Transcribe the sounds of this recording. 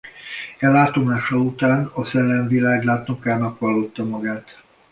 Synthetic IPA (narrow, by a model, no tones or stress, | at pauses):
ɛlaːt̪o̞maːʃɒut̪aːnɒsɛlːɛɱvilaːɡlaːt̪nokaːnɒkʋɒlːo̞t̪ːɒmɒɡaːt̪